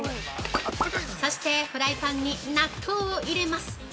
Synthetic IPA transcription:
so̞ɕi̥t̪e̞ɸɯ̟ɾaipãɲ̟ːinat̪ʰoːoʔiɾe̞masɨ̥

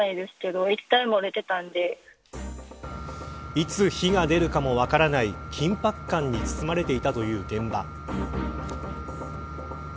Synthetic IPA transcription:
aid̪e̞sɨ̥ke̞d̪o̞it̪ːaimo̞ɾet̪e̞t̪ãnd̪e̞ | it͡sɨçiɡad̪e̞ɾɯ̟kamo̞βakaɾanaikʲʰĩmpakːãɲ̟ːit͡sɨ̥t͡sɨmaɾe̞t̪e̞it̪at̪o̞jɯ̟ːɡ̪ẽ̞mba

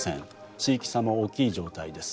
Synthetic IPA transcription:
sẽn | t͡ɕiːkʲi̥samooːkʲiːʑo̞ːt̪aid̪e̞sɨ̥

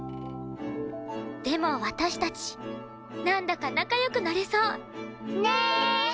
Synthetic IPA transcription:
d̪̥e̞mo̞βat̪aɕi̥t̪at͡ɕi̥ | nãnd̪akanakajo̞kɯ̟naɾesoː

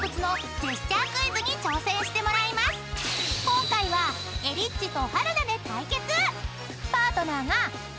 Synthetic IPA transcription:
kɯ̟t͡sɨno̞ | d͡ʑeɕt͡ɕakɯ̟izɨɲ̟it͡ɕo̞ːsẽ̞ɰ̃ɕi̥t̪e̞mo̞ɾaimasɨ̥kõ̞ŋkaiβa | e̞ɾʲit͡ɕːit̪o̞haɾɯ̟nad̪e̞t̪aike̞t͡sɨ | paːt̪o̞naːŋa

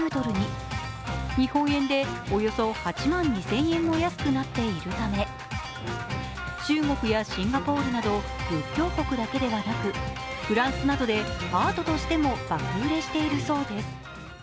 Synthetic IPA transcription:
ɯːt̪o̞ɾɯ̟ɲ̟i | ɲ̟ihõ̞ɰ̃ẽ̞nd̪e̞ojo̞so̞hat͡ɕimãɲ̟ːisẽ̞ɰ̃ẽ̞mːo̞jasɨ̥kɯnat̪ːe̞iɾɯ̟t̪ame̞ | t͡ɕɨːŋo̞kɯ̟jaɕĩŋɡapo̞ːɾɯ̟nad̪o̞ | jɯ̟kʲːo̞ːko̞kɯ̟d̪ake̞d̪e̞βanakɯ̟ɸɯ̟ɾãɰ̃sɨnad̪o̞d̪e̞aːt̪o̞t̪o̞ɕi̥t̪e̞mo̞b̥akɯɯɾe̞ɕi̥t̪e̞iɾɯ̟so̞ːd̪e̞sɨ̥

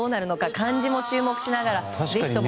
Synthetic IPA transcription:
oːnaɾɯ̟no̞kakãɲd͡ʑimo̞t͡ɕɨːmo̞kɯ̟ɕinaɡaɾa | zei̥t̪o

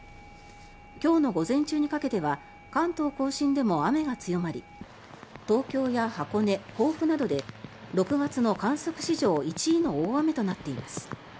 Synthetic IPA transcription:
kʲo̞ːno̞ɡo̞zẽ̞ɲt͡ɕɨːɲ̟ikake̞t̪e̞βa | kãnt̪o̞ːko̞ːɕĩnd̪e̞mo̞ame̞ɡat͡sɨjo̞maɾʲḭ | t̪o̞ːkʲo̞ːjahako̞ne̞ko̞ːɸɯ̟nad̪o̞d̪e̞ɾo̞kɯ̟ɡat͡sɨno̞kãɰ̃so̞kɯ̟̥ɕiʑo̞ːit͡ɕiːno̞ːame̞t̪o̞nat̪ːe̞imasɨ̥

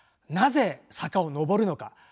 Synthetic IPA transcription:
naze̞sakao̞no̞bo̞ɾɯ̟no̞ka

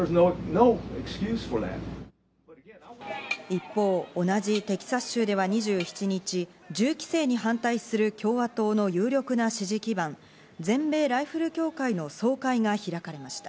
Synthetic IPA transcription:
ə˞znonoʊɛkskjʉz̥fə˞ðæ̰t̚ | ipːo̞ːonad͡ʑit̪e̞kʲi̥sḁɕɨːd̪e̞βaɲ̟iʑɨːçi̥t͡ɕiɲ̟it͡ɕi | d͡ʑɨːkʲi̥se̞ːɲ̟iɦãnt̪aisɨɾɯ̟kʲʰo̞ːβat̪o̞ːno̞jɯːɾʲo̞kɯ̟naɕiʑikʲibãn | d͡zẽ̞mbe̞ːɾaiɸɯ̟ɾɯ̟kʲo̞ːkaino̞so̞ːkaiŋaçiɾakaɾe̞maɕi̥t̪ḁ

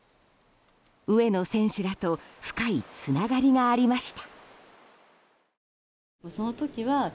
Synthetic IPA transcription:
ɯ̟e̞no̞sẽ̞ɰ̃ɕɨɾat̪o̞ɸɯ̟̥kait͡sɨnaɡaɾʲiɡaːɾʲimaɕi̥t̪ḁ | mosonot̪okʲiβa

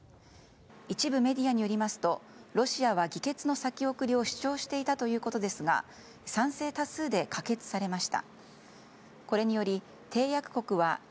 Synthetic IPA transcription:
it͡ɕibɯ̟me̞d̪ʲiaɲ̟ijo̞ɾʲimasɨ̥t̪o̞ | ɾo̞ɕiaβ̞aɡʲike̞t͡sɨno̞sakʲio̞kɯ̟ɾʲio̞ɕi̥t͡ɕo̞ːɕi̥t̪e̞it̪at̪o̞jɯ̟ːko̞t̪o̞d̪e̞sɨɡa̰ | sãɰ̃se̞ːt̪asɨːd̪e̞kake̞t͡sɨ̥saɾe̞maɕi̥t̪a̰ | ko̞ɾe̞ɲ̟ijo̞ɾʲi | t̪ʰe̞ːjakɯ̟̥ko̞kɯ̟βa

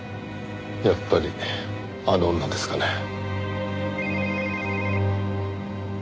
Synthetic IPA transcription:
japːaɾʲi | ad̪õnːad̪e̞sɨ̥kane

